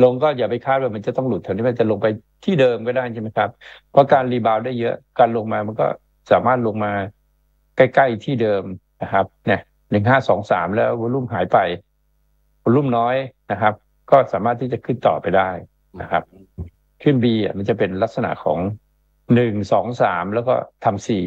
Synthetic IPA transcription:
lo˧ŋkɔː˥˩jaː˨˩pa˧jkʰaː˦˥˩t̪̚waː˥˩ma˧nt͡ɕa˨˩t̪ɔ˥˩ŋlu˨˩t̪ʰːa˧˩wniː˦˥m˧nt͡ɕa˨˩lo˧ŋpa˧j | t̪ʰiː˥˩dɤː˧mkɔː˥˩daː˥˩jʰa˥˩ma˦˥jkʰa˦˥p̚ʰː | ɔ˦˥kaː˧nliː˧baː˧wdaː˥˩jːɤ˦˥ʔkaː˧nlo˧ŋmaː˧ma˧nkɔ̰ː˥˩ | saː˨˩˦maː˥˩t̪̚lo˧ŋmaː˧ | ka˥˩jka˥˩jt̪ʰiː˥˩dɤː˧mna˦˧˩kʰa˦˥p̚na˦˥˩ | nɯ˨˩ŋɦaː˥˩sɔː˩˦ŋsa̰ː˩˦mlɛː˦˥wbo˧lu˥˩mɦaː˩˦jpa˧j | bo˧˦lu˥˩mnɔː˦˥jna˦˥kʰa˦˥p̚ | kɔː˥˩saː˩˦maː˥˩t̪ʰːiː˥˩t͡ɕa˨˩kʰɯ˥˩nt̪ɔ̰ː˨˩pa˧jdaː˥˩j | na˦˧˩kʰa˦˥p̚ | kʰɯ˥˩˨nbiː˧ʔa̰˧˩ma˧nt͡ɕa˨˩pe˧nla˦˥t̪̚sa˧na̰˨ʔkʰɔ̰ː˩˦ŋ | nɯ˨˩ŋsɔː˩˦ŋsaː˩˦mlɛː˦˥wkɔ̰˥˩t̪ʰa˧msiː˨˩

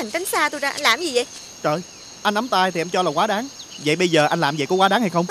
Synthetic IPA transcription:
a˨˩ŋt͡ɕa˨˦ŋ̟saː˧t̪o˧jzaː˧ʔa˧nlaː˨˩mzi˨˩zə̰˧˨j | t͡ɕəː˨˩j | ʔa˧jnʔa˨˦mt̪aː˧jt̪ʰi˨˩ʔɛ˧mt͡ɕɔ˧laː˨˩kwaː˨˦ɗaː˨˦ŋ | və̰˧˨jɓə˧jzəː˨˩ʔa˧jŋlaː˨˩mvə̰˧˨jkɔ˨˦kwaː˨˦ɗaː˨˦ŋha˧jxə˧wŋ͡m

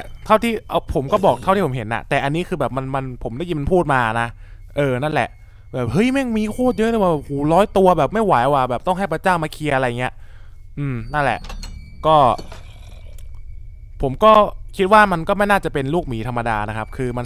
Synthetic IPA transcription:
t̪ʰa˥˩wt̪ʰiː˥˩ʔa˧pʰo˩˦mkɔː˥˩bɔː˨˩k̚t̪ʰa˥˩wt̪i˥˩pʰmɦe˨˩˦nʔa̰˨˩t̪ɛː˨˩ʔa˧nːi˦˥kʰɯː˧bɛː˨˩p̚ma˧nma˧npʰo˩˦mdaː˥˩ji˧m˧npʰuː˥˩t̪̚maː˧na˦˥ | ʔɤː˧na˥˩nlɛ˨˩ʔ | bɛː˨˩p̚hɤ˦˥˩jma˥˩˧miː˧kʰoː˥˩t̪̚jɤ˦˥lɯː˥˩waː˩ɛː˨˩p̚huː˨˩˦lɔː˦˥jt̪u˧ɐbɛː˨˩p̚ma˥˩jwa˨˩˦jʔa˧˩waː˨˩bɛː˨˩t̪ɔ˥˩ŋɦa˥˩jpɾa˧t͡ɕaː˥˩wmaː˧kʰi˧ʔa˧ɾa˧ja˨ŋːi˦˥ɐ | ʔɯː˧mna˥˩nlɛ̰˨˩ʔ | kɔː˥˩ | pʰo˩˦mkɔː˥˩kʰi˦˥t̪̚waː˥˩ma˧nkɔː˥˩ma˥˩jnaː˥˩t͡ɕa˨˩pe˧nluː˥˩k̚miː˩˦t̪ʰa˧mːa˧daː˧na˦˥kʰa˦˥p̚kʰɯː˧ma˧n

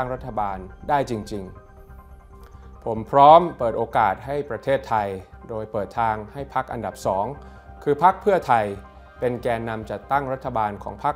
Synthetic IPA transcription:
ŋɾa˦˥t̪ʰːa˧baː˧ndaː˥˩jt͡ɕi˧ŋt͡ɕi˧ŋ | pʰo˩˦mpʰɾɔː˦˥mpɤː˨˩t̪̚ʔoː˧kaː˨˩t̪̚ha˥˩jpɾa˧t̪ʰeː˥˩t̪ʰːa˧jdoː˧jpɤː˨˩t̪ʰaː˧ŋha˥˩jpʰa˦˥k̚ʔa̰˧nda˨˩p̚sɔː˩˦ŋ | kʰɯː˧pʰa˦˥k̚pʰɯ˥˩ɐt̪ʰa˧j | pe˧nkɛː˧nːa˧mt͡ɕa˨˩t̪ːa˥˩ŋɾa˦˥t̪ʰːa˧baː˧nkʰɔː˩˦ŋpʰa˦˥k̚

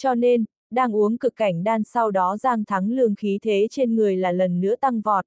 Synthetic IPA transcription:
t͡ɕɔ˧ne˧n | ɗaː˧ŋʔu˨˦əŋkɨ˨˩kːa˧˩jŋ̟ɗaː˧nsa˧wɗɔ˨˦zaː˧ŋt̪ʰa˨˦ŋlɨ˧əŋxi˨˦t̪ʰe˨˦t͡ɕe˧nŋɨ˨˩əjlaː˨˩lə˨˩nːɨ̰˧˥ət̪a˧ŋvɔ˨˩t̚

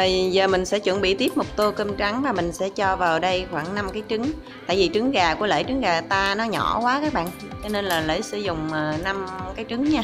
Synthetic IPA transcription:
ə˨˩zəː˨˩mï˨˩ŋ̟sɛ̰˧˥t͡ɕwə˧˩nɓḭ˧˨t̪i˦˥əp̚mo˨˩k͡p̚t̪o˧kə˧mt͡ɕa˨˦ŋvaː˨˩mï˨˩ŋ̟sɛ̰˧˥t͡ɕɔ˧vaː˨˩wɗə˧jxwaː˧˩ŋna˧mkaː˨˦jt͡ɕɨ˨˦ŋ | t̪a̰ː˧˨jvi˨˩t͡ɕɨ˨˦ŋɣaː˨˩ku˧˩əlḛː˧˩jt͡ɕɨ˨˦ŋɣaː˨˩t̪aː˧nɔ˨˦ɲɔ˧˩kwaː˨˦kaː˦˥k̚ɓa̰ː˧˨n | t͡ɕɔ˧ne˧nlaː˨˩lə̰ː˧˩jsɨ̰˧˩zʊ˨˩ŋ͡məː˨˩na˧mkaː˨˦jt͡ɕɨ˨˦ŋɲaː˧

